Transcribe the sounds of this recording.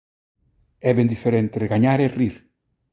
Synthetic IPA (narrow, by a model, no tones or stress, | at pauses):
ɛβẽnd̪ifeɾẽnt̪eɾeɣaɲaɾeriɾ